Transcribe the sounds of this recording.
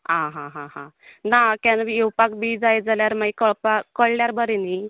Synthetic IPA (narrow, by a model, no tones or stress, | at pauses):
ɦãɦãɦãɦã | nakãnʋiewpakbiːd͡zajd͡zaljaɾmaikəɭpakəɭljaɾbəɾeni